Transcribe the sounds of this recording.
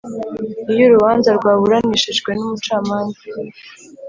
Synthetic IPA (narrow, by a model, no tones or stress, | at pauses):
ijoɾuβaːnzaɾɡwaːβuɾaniʃiʒɡwe̞numut͡ʃaːmaːnza